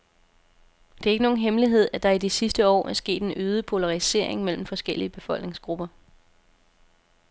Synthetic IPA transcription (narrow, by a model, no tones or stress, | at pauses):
d̥e̝æɐe̝ɡ̥əno̝ːn̩ɦemliɦe̝ð̞̰ˠæd̥ɑ̈id̥isisd̥əɒ̰ːæɐsɡ̥e̝̰ːd̥e̝nøːð̞ˠəpʰo̝lɑ̈ʁise̝̰ɐe̝ŋmel̰m̩fɒ̽sɡ̥el̰iəb̥e̝fɒ̽l̰ɡ̥ne̝ŋsɡ̥ʁub̥ɐ